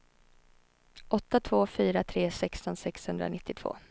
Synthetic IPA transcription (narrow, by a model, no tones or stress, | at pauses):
ʔɔt̪ːat̪ʰv̥oːfyːɾat̪ʰɾeːsɛkst̪ɔnsɛkshɵnd̪ɾa̰nɪt̪ːɪt̪ʰv̥o̰ː